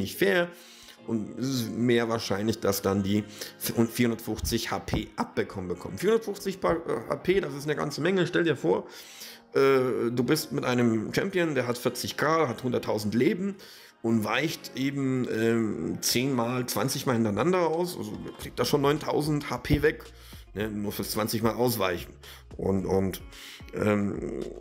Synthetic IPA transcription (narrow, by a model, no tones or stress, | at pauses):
nɪçtfeːɐ | ʔʊntɛsɪsmeːɐvaːɐʃaɪnlɪçd̥asd̥andiːfʊfiːɐhʊndɐtfʊxt͡sɪçha̰ːpʰeːʔap̚b̥əkʰɔmənbəkʰɔ̰mənfiːɐʊndɐtfʊxt͡sɪçha̰ːpʰeːdas̬ɪstnəɡa̰nt͡səmɛŋəʃtɛldiːɐfoːɐ | ʔɛːduːbɪstmɪtʔaɪnəmt͡ʃɛmpjəndeːɐɦatfɪɐt͡sɪçɡ̥ʁaːdhathʊndɐtʰaʊzn̩tleːbm̩ | ʔʊntvaɪçtʔeːbm̩ʔɛːt͡seːnmaːlt͡sv̥a̰nt͡sɪçmaːlhɪntaɪnandɐaʊsʔa̰lzo̰kʁ̥iːk̚td̥aːʃoːnɔʏntʰa̰ʊzn̩thaːpʰeːvɛk | nənuːɐfɪɐt͡sv̥ant͡sɪçmaːlʔaʊsv̥aɪçn̩ | ʔʊ̰nʊnt | ʔɛ̰ːm